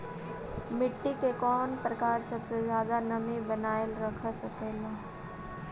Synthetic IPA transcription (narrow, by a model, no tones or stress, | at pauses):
mɪʈːikekɔːnpɾɐkaːɾsɐbsezjaːd̪anɐmebɐnaːɪlɾɐkʰsɐkeːlaː